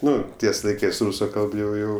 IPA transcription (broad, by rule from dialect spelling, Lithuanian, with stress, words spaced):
ˈnʊ ˈtʲiɛs lˠɐɪˈkɜs ˈruːsʊ ˈkɐlˠp jɛʊ ˈjɛʊ